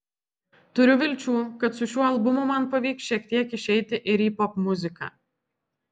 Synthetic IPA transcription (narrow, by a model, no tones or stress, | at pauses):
t̪ʊɾʲʊʋʲɪlʲt͡ʃʲuːkɐt̪sʊʃʲuːɐlˠbʊmʊmɐnpɐʋʲiːksʃʲiɛk̚t̪ʲiɛkɪʃʲɛɪt̪ʲɪʔɪɾiːpɔpmʊzʲɪkɑ̰ː